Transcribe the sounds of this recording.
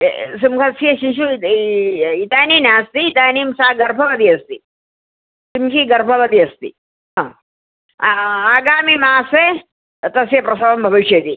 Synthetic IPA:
simkʰɐsieʃiʃu | it̪aːninaːst̪iid̪aːnimsaːɡɐɾpʰɐbɐd̪iɐst̪ḭ | simkiɡɐɾpʰɐʋɐd̪iɐst̪ḭ | ɦãː | aːɡaːmimaːse | t̪ɐsjepɾɐsɐʋɐmbʱɐʋɐʃet̪i

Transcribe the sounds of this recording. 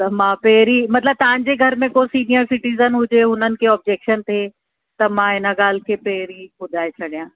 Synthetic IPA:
t̪ɐmãːpeːɾimɐt̪ləb̚t̪ɐʋãɲ̆d͡ʑeɡʱɐɾmẽkosiːnijəɾsɪʈiːzənɦʊd͡ʑeʊnənɪ̆keɔːb̚d͡ʑeːkʃənt̪ʰe | t̪ɐmãɪnəɡaːl̤kʰepeːɾikʊd̪ʱaːet͡ɕʰɐɽijãː

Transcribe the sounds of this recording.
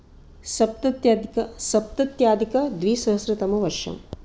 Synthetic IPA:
sɐp̚t̪ɐt̪jaːd̪ikɐsɐp̚t̪ɐt̪jaːd̪ikɐd̪ʋiːsɐɦɐsɾɐt̪ɐmɐʋɐɾʃɐ̰m

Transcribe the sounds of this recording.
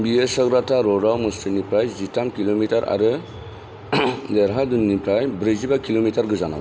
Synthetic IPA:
biesɔɡɾataɾɔɾawmɯstɯnipɾajzitamkilomitaɾʔa̰ɾɯ | d̪ɛɾɦadunːipɾajbɾɯzibakilomitʰaɾɡɯzana̰w

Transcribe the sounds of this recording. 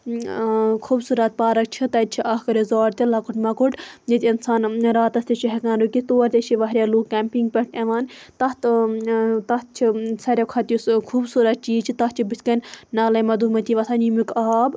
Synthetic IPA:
kʰuːbsuːɾɐt̪̚paːɾɐk̚t͡ʃʰit̪ɐt̪̚t͡ʃʰiʔɐhkɐɾezaːɾt̪ilɐkuʈmɐkuʈjet̪ʲɐnsaːnɾaːt̪ɐst̪ɐt͡ʃiɦɐkaːnɾukit̪oːɾt̪ʲet͡ʃʰiʋɐɦɾʲjaːluːkkʲɛːmpiŋɡ̚pʲeʈeʋaːnt̪ɐt̪ | t̪ɐt̪̚t͡ʃʰisɐɾʲɐkʰɐt̪juskʰuːbsuːɾɐt̪̚t͡ʃiːt͡ʃʰit̪ɐtt͡ʃʰibɨsʲkɐnʲnɐːlɐjmɐd̪uːmɐt̪iːʋɐsʰaːnjimikaːb

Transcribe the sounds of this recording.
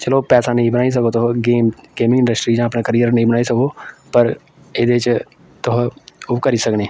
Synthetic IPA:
t͡ʃɐlopɛːsanɐɦĩbənaːis̬ɐkot̪oɦɡeːmɡeːmɪ̃ŋɡɪ̃ɳɖəsʈɾid͡ʒãːəpnakəɾijəɾnɐɦĩbənaːisɐkopəɾ | ɪd̪et͡ʃ | t̪ʊɦokɐɾisɐkneː

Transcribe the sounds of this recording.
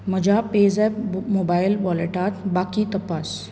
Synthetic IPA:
mɐd͡ʒaːpeːzɛbmoːbaːɪlʋɔleʈaːt̪baːkit̪ɐpaːs

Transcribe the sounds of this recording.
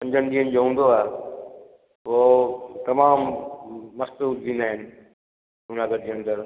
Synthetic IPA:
pɐ̃ɲd͡ʑʱənɪd̪iːɦənɪ̆d͡ʑoːɦũːn̆d̪oaːɦe | ʋot̪ɐmaːmː | ɐst̪uld̪ĩːnd̪aːɦɪnɪ̆ | ɐnaːɡəɾd͡ʑeːɐ̃nd̪əɾ

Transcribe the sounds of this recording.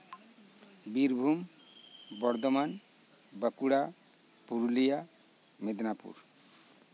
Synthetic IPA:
biɾbʱum | bɔɾd̪oman | bəkuɽa | puɾulija | med̪napṵɾ

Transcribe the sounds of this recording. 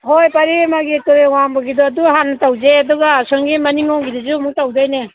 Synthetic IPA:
hojpaɾimaɡitɔɾewambɐɡidɔːduɦanːɐtawzeɐduɡaːsɔŋɡimɐniŋɔŋɡiɾizumuk̚tawd͡ʒajne

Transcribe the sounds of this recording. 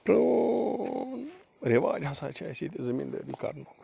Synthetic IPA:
pɾə | ɾeʋaːd͡ʒasa̰ːt͡ʃʰasiːt̪ezəmḭnd̪ə̰ːd̪iːkɐ̰ɾnok

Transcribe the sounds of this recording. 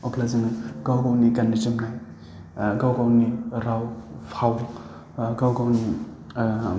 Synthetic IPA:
ɔklazinɯɡ̥awɡawnikanːit͡ʃɯmnaj | ɡawɡawniɾawpʰaw | ɡawɡawni

